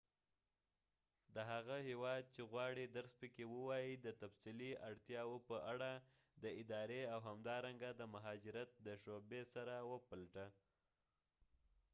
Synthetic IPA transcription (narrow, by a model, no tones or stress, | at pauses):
d̪əɦaɣahewɑd̪̚t͡ʃeɣwɑɽid̪əɾspəkewəwɑjid̪ət̪afsiliaɽt̪jɑwopəʔaɽa | d̪əɪd̪ɑɾeawɦamd̪ɑɾaŋɡad̪əmaɦɑd͡ʒɪɾat̪̚d̪əʃobesaɾawəpalʈa